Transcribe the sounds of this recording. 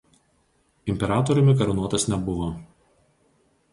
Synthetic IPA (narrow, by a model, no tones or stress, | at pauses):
ɪmʲpʲɛɾɑːt̪ɔɾʲʊmʲɪkɐɾɐnuɔt̪ɐsnʲɛbʊʋoː